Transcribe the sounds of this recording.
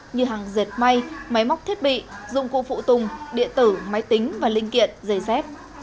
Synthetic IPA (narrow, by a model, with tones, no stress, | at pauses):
ɲɨ˧ɦaː˨˩ŋzi˨˩t̚ma˧jma˨˦jma˦˥wk͡p̚t̪ʰi˦˥t̚ɓḭ˧˨zʊ̰˧˨ŋ͡mkṵ˧˨fṵ˧˨t̪ʊ˨˩ŋ͡mɗḭ˧˨ənt̪ɨ˧˩ma˨˦jt̪ï˨˦ŋ̟vaː˨˩lï˧ŋ̟kḭ˧˨ənzə˨˩jsɛ˦˥p̚